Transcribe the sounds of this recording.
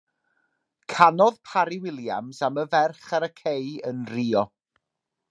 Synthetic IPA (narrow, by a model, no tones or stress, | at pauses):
kʰanɔðpʰaɾɪwɪlˠjamsaməvɛrχaɾəkʰejənriːɔ